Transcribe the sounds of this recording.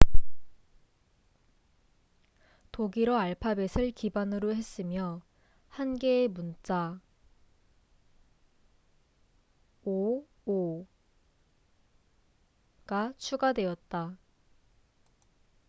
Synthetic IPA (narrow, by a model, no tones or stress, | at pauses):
toɡiɾʌaɭpʰabe̞sʰɯɭkibanɯɾohe̞s͈ɯmjʌ | hanɡe̞ːmunt͡ɕ͈a | o | o | ɡ̥at͡ɕʰuɡadwe̞jʌt̚t͈a